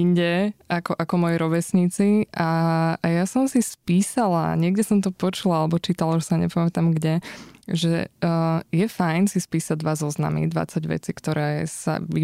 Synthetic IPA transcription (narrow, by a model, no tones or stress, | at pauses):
iɲɟɛakɔʔakɔmɔjɛɾɔʋɛsɲit͡siajasɔmsispiːsala̰ɲɪɛɡɟɛsɔmt̪ɔpɔt͡ʃulaalɛbɔt͡ʃiːt̪alaʒɛsaɲɛ̰pamɛt̪amɡɟɛʒɛ | jɛfajnsispiːsaɟ̚d̪ʋazɔzna̰mḭd̪ʋa̰t͡saɟʋɛ̰t͡sikt̪ɔɾɛːsa̰ʋi